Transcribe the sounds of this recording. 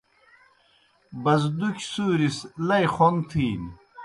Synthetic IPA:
bɐzd̪ukʲsuːɾislɐjχont̪ʰiːn

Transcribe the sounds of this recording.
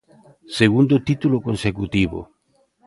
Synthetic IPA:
seɣund̪ot̪it̪ulokõnsekut̪iβo̰

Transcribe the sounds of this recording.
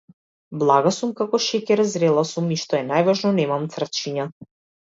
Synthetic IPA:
blˠaɡasumkakɔʃɛkɛɾzɾɛlˠasumiʃt̪ɔɛnajvaʒnɔnɛmamt̪sr̩ft͡ʃiɲa

